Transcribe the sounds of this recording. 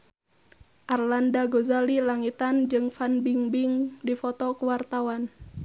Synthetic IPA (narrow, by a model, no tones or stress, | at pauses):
ʔarlandaɡozalilaŋit̪and͡ʒɨŋfanbiŋbiŋdifɔt̪ɔkuwart̪awan